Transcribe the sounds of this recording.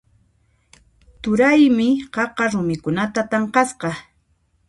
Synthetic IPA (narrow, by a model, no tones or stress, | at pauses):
t̪ʊɾajmɪɢɑqɑɾʊmɪkʊnat̪at̪ɑɴqɑsqɑ